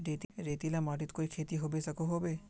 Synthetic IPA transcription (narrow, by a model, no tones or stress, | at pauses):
ɾet̪iɾet̪ilamaːʈit̪koikʰeːt̪iɦobesəkoɦoːbe